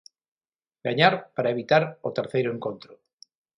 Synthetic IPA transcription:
ɡaɲaɾpaɾaeβit̪aɾot̪eɾθejɾoeŋkont̪ɾo

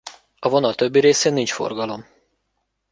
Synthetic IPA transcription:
ɒvo̞nɒlt̪øbːiɾeːseːnːint͡ʃfo̰rɡɒlo̞m

